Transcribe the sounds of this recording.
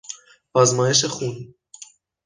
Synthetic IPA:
vazmɒːjeʃ̬exun

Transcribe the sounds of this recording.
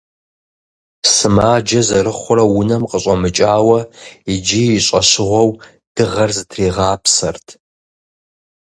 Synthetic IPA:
sɨmaːd͡ʒɐzɐrɨχʷʊrɐwʊnɐmqəɕʼɐmɨt͡ʃʼaːwɐid͡ʒijɪɕʼɐɕɪʁʷɔw | d̥ɨʁɐrzɨtʰreːʁaːpsɐrtʰ

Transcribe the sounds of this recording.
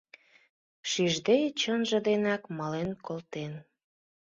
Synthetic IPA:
ʃyʒd̪et͡ɕənʒə̆d̪enɑkmɑlenkolt̪en

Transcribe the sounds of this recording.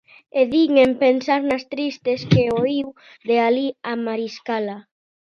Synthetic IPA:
eðiŋempensaɾnast̪ɾist̪eskeoiw | ðealiamaɾiskala

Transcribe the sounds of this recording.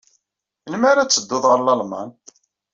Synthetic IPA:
nməɾat͡sːəd̪ːʊðʁəɾlɑlmɑ̰n

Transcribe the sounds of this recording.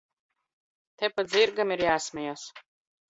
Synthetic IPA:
t̪ɛpat̪ziɾɡamiɾjæːsmʲɛjaːs

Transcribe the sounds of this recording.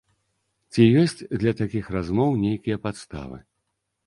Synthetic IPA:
t͡sʲijɔsʲt͡sʲd̪lʲɐt̪akʲixrazmɔwnʲejkʲijɐpat̪st̪a̰vɨ̰

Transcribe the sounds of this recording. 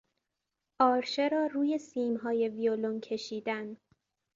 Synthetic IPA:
ʔɒːɾʃe̞ɾɒːɾuːje̞siːmɦɒːje̞violoncʰe̞ʃiːd̪æn

